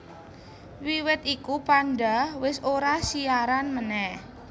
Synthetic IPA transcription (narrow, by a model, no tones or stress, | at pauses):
wiwɪt̪ikupandawɪsoɾasiaɾanmənɛh